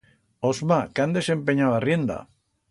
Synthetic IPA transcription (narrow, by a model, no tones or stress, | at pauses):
ozmakand̪esempeɲaβariend̪a̰